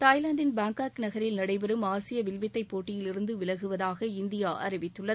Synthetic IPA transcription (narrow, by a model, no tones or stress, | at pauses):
t̪aːɪlɐɳɖɪnbaːŋkaːknɐɣɐɾɪlnɐɽɐɪbɛɾɯmaːsɪjɐʋɪlʋɪt̪ːɐɪpːoːʈːɪjɪlɪɾɯnd̪ɯʋɪlɐɣɯʋɐðaːɣɐɪnd̪ɪjaːʔɐ̰ɾɪʋɪt̪ːɯɭːɐ